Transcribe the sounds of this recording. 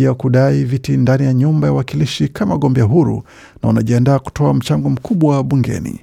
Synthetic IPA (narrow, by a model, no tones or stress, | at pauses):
akuɗaivitindanijaɲumbajawakiliʃikamaɠɔmbɛaɦuɾṵ | naunaʄiandaːku̥tɔam̩t͡ʃaŋɡɔm̩kʰuɓwawɓuŋɡɛ̰nḭ